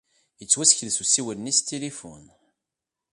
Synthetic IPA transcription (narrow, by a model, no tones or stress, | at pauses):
jət͡sːwæsçðsusiwənnist̪ʰilifʊ̰n